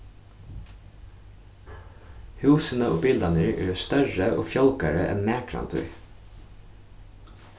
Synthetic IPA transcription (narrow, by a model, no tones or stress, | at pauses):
hʉːsənəoːbɪld̪ɑnəɹʔḛːst̪œɹəʔoːfjɔlkɑɹəʔɛ̰nmeːkʰɹɑ̰nt̪ʰʉ̰ɹ